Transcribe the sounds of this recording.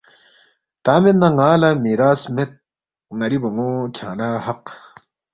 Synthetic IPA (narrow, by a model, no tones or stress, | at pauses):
t̪aːmenːɐŋaːlɐmiːɾaːsmet̪̚ | ŋɐɾibɐŋoːkʰaːnahɐq